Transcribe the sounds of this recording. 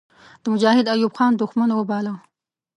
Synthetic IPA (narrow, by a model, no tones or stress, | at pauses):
d̪̥əmʊd͡ʒɑhɪd̪ajubxɑnd̪ʊxmanwəbɑla